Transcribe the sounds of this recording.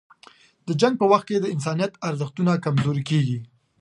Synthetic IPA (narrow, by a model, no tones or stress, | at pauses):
d̪əd͡ʒaŋɡ̚pəwaxt̪̚ked̪əɪns̬ɑnijat̪aɾzəxt̪unakamzoɾikeɡi